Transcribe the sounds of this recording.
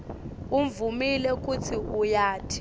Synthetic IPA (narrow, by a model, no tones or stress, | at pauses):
uɱvumilɛk̬ʼut͡sʰiujaːtʰi̥